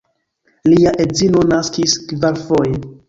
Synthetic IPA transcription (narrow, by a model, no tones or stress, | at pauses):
liaʔe̞zino̞naskiskvaɾfo̞je